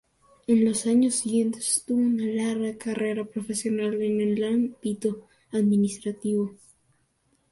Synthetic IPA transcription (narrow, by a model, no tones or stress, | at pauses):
enlo̞saɲosːiɣje̞nt̪e̥st̪uβounalaɾɣakare̞ɾapɾofe̞sjo̞nalenelːampit̪o | aðmĩnist̪ɾat̪iβo